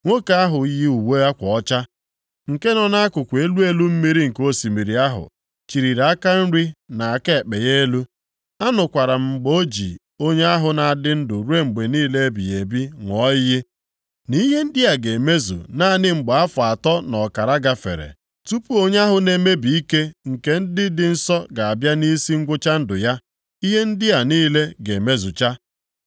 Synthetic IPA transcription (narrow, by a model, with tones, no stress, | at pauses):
ŋʷo˦ka˦a˦ɦʊ˨i˦ji˦u˨we˦a˦kʷɔ˨ɔ˦t͡ʃa˦ | ŋ̩˨ke˦nɔ˦na˦a˦kʊ˨kʷe˦lu˦e˦lu˦m̩˦mi˦ɾi˦ŋ̩˨ko˦si˨mi˨ɾi˨a˦ɦʊ̰˨ | t͡ʃi˨ɾi˨ɾa˦ka˦n̩˦ɾi˦na˨a˨ke˦˨k͡pe˨je˦e˦lu˦ | a˦nʊ˨kʷa˨ɾa˨m̩˨ɡ͡bo˦d͡ʒḭ˨ | o˦ɲe˦a˦ɦʊ˨na˨a˨dɪ˦n̩˦dʊ˨ɾu˦e˦ŋ͡m̩˨ɡ͡be˨niː˦le˦e˦bḭ˨e˨bi˦ŋʷɔ˦ɪ˦je˦ | ni˦ɦe˦n̩˦dɪ˦a˨ɡe˨me˦zṵ˨na˦˨nɪ˦ŋ͡m̩˨ɡ͡ba˨a˦fʊ˨a˨tɔ˦nɔ˨ka˨ɾa˦ɡa˦fḛ˨ɾḛ˨ | tu˦pu˦o˦ɲ˦a˦ɦʊ˨ne˨me˦bi˨i˦ke˦ŋ̩˨ke˦n̩˦dɪ˦dɪ˨n̩˦sɔ˦ɡa˨a˨bja˦ni˦si˦ŋ̩˦ɡʷʊ˦t͡ʃa˦n̩˦dʊ˨ja˦ | i˦ɦe˦n̩˦dɪ˦a˨niː˦le˦ɡe˨me˦zu˨t͡ʃa˦